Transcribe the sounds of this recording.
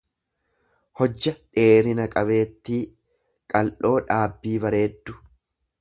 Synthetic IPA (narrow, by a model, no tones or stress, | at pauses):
hɔd͡ʒːɐᶑe̞ːɾɪnɐkʼɐbe̞ːt̪ːiː | kʼɐlʔo̞ːᶑaːbːiːbɐɾe̞ːd̪ːʊ̥